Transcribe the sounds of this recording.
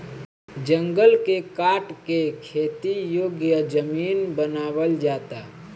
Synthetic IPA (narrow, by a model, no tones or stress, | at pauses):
d͡ʒə̃ŋɡəlkekaːʈkekʰeːt̪ijoːɡjəd͡ʒəmiːnbənaːwəld͡ʒaːt̪aː